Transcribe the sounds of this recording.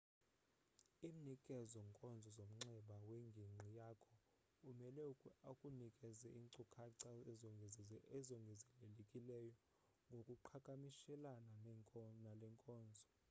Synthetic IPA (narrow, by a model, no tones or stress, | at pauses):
iːm̩nikʼɛzɔŋkʼɔnd͡zʱɔzom̩ŋ͡ǀɛɓaweŋɡʱiŋ͡ǀʱijaːkʰɔ | umɛlɛkʼunikʼɛzɛʔiːŋǀukʰaǀa | ɛzɔŋɡʱɛzɛlelekʼilɛjɔ | ŋɡʱokʼuǃʰakʼamiʃɛlananalɛŋkʼɔːnd͡zʱɔ